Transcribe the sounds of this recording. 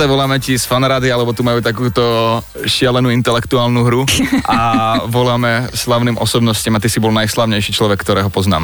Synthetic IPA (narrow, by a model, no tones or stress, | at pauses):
aʋɔlaːmɛcisfanɾaːd̪ialɛbɔt̪umajuːt̪akuːt̪ɔ | ʃɪalɛnuːint̪ɛlɛkt̪uaːlnuɦɾuaʋɔlaːmɛslaʊnimʔɔsɔbnɔsciːmat̪isibɔlnajslaːʊɲɛjʃit͡ʃlɔʋɛkːt̪ɔɾɛːɦɔpɔzna̰ːm